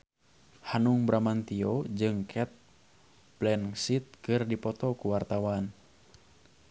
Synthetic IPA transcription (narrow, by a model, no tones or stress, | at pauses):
hanuŋbɾamant̪iod͡ʒɨŋkʰɛt̪̚ | plɛnsit̪̚kɨrdipɔt̪ɔkuwart̪awan